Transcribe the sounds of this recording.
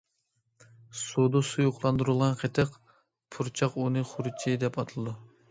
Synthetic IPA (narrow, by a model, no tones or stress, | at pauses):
sud̪usujuqlˠɑnd̪uɾɨlˠʁɑnqʰet̪ʰɨq | pʰuɾt͡ʃʰɑqunɨχʊɾɨt͡ʃʰid̪ɛpɑt̪ʰɨlˠɨd̪u